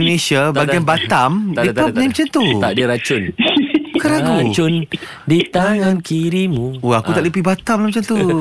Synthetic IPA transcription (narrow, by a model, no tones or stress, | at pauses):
onẽsiabaɡnbat̪amiap̚namət͡ʃant̪ut̪adiəɾat͡ʃʊnbəkaɾaɡut͡ʃʊn | dit̪aŋankiɾimũoakut̪aʔlipibat̪amlamət͡ʃant̪u